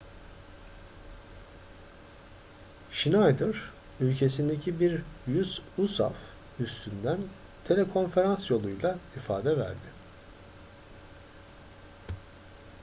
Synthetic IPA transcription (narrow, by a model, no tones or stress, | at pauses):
ʃinajd̪ɯɾ̥ | ylʲcʰe̞sind̪ecʰibiɾjyzusa̰f | yst̪ʰynd̪æn | t̪ʰe̞lʲɛkʰo̞nfe̞ɾansjo̞lˠujlˠaifa̰ːd̪ɛvæ̰ɾd̪ɪ